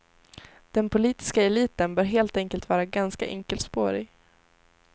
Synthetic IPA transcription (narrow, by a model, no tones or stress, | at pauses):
d̪̥ɛnpʰʊliːt̪ɪ̥skaɛliːt̪ənbœːɾɦeːlt̪ɛŋkəlt̪vɑːɾaɡanska̰ʔɛ̰ŋkəlt̪spoːɾɪ